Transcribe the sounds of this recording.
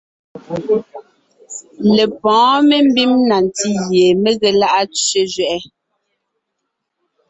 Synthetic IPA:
le˨pɔ̃ː˨˦me˦m̩˦bi˦mna˨n˨ti˦ɣje˨me˦ɣɛ˨la˦ʔa˦t͡ʃɥe˦d͡ʒɥɛ˨ʔɛ˦

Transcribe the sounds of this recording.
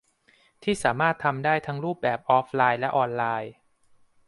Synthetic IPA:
t̪ʰiː˥˩saː˩˦maː˥˩t̪ʰːa˧mdaː˥˩jt̪ʰa˦˥ŋɾuː˥˩p̚bɛː˨˩p̚ʔɔː˦˥p̚laː˧jlɛ˦˥ʔɔː˧nlaː˧j

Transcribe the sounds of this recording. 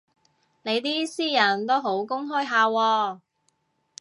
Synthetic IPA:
ne˨˧jt̪iː˥siː˥jɐ˨˩nt̪o˥wɦo˨˥wkʊ˥ŋɦɵː˥jɦaː˨˧wɔː˧

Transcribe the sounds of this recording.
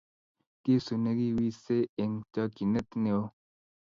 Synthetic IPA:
ki˦su˨ne˦ɡi˦wi˦se˦e˨ŋt͡ʃa˦ki˨ne˦t̪ne˨o˦

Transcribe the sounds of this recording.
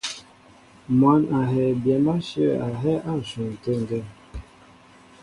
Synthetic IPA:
mwa˨˦na˨ɦɛ˨bjɛ˨ma˦ʃə˦˨a˨ɦɛ˦ʔa˦˨n̩˨su˨n˨tə˦˨ŋ˨ɡɛ˦

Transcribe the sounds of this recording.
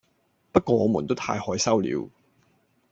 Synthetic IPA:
pɐ˥t̚kɔː˧ŋɔː˨˧muː˨˩nt̪o˥wt̪ʰa̰ː˧jhɔː˨˥jsɐ˥wlḭː˨˧w

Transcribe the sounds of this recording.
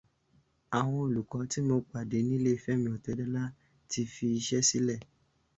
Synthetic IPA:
a˨w̃ɔ̃˧o˨lu˨kɔ˨˦ti˦mo˧k͡pa˨de˨˦nĩ˦le˦i˧˨fɛ˦˨mĩ˧˨ɔ˨tɛ˨˦dɛ˦la˦ | ti˧fi˧i˧ʃɛ˦si˦lɛ˦˨

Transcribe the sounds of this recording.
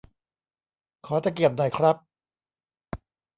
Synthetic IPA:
kʰɔː˩˦t͡ɕaː˨˩k̬i˨˩əp̚nɔ˨˩jkʰɾa˦˥p̚

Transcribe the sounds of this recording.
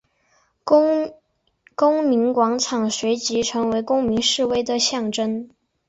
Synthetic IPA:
kʊ˥ŋmi˧˥nkwɑ˧˥ŋʈ͡ʂʰɑ˨˩ŋʂwe˧˥ɪt͡ɕi˧˥ʈ͡ʂʰɤ˧˥ŋwe˧˥ɪkʊ˥ŋmi˧˥ŋʂɻ̩˥˧we˥ɪd̪ə˨ɕjɑ˥˩ŋʈ͡ʂə˥n

